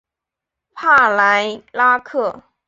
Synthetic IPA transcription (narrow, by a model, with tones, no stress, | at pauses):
pʰa˥˩la˧˥ɪla˥kʰɤ˥˩